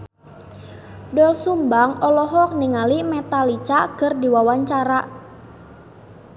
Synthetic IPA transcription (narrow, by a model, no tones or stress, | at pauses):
dɔlsumbaŋɔlɔɦɔk̚niŋalimɛt̪alit͡ʃakərdiwawaɲt͡ʃaɾa